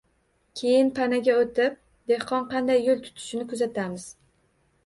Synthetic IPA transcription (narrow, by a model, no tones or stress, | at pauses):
kʲʰe̞jɪnpʰanaɡʲaot̪ɪp̚ | d̪e̞hqɒnqʰɑnd̪ajːolˠt̪ʰʊ̥t̪ʰɪ̥ʃɪnɪkʊzat̪ʰamɪz̥